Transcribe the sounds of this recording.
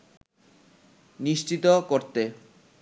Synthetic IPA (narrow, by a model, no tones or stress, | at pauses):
niʃt͡ɕit̪okoɾt̪e